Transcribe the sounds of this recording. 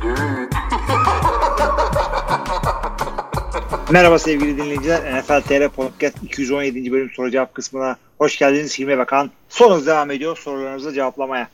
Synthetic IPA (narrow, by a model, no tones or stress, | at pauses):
mɛɾabasɛvɟilʲid̪inlʲejid͡ʒilʲæɾɛfælʲt̪ʰeɾɛpʰot̪̚cæst̪icʰijyzo̞nje̞d̪ind͡ʒibølʲymsoɾud͡ʒaap̚kʰɯsmɯna | ho̞ʃɟælʲd̪iniz̥hiɾmɛbakʰan | so̞nud̪e̞vame̞d̪ijoso̞ɾulˠaɾɯnɯzad͡ʒe̞vaplˠamaja